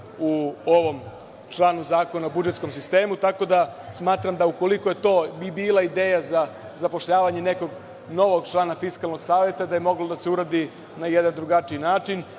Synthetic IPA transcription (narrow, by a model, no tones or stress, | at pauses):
uoʋo̞m | t͡ʃlˠaːnuzaːko̞naobud͡ʒet̪sko̞msist̪e̞ːmut̪ako̞d̪a | smaːt̪ɾamd̪auko̞liko̞je̞t̪o̞ːbiːlˠaid̪eːjaza | zapo̞ʃʎaːʋaɲe̞ne̞ko̞ɡ | no̞ʋo̞ɡt͡ʃlˠaːnafiskalˠno̞ɡsaːʋje̞t̪ad̪ajemo̞ɡlod̪aseuɾad̪i | najed̪and̪ɾuɡat͡ʃiinaːt͡ʃin